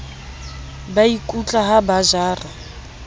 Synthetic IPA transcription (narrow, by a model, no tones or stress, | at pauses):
baikʼut͡ɬʼaɦabaʒaːra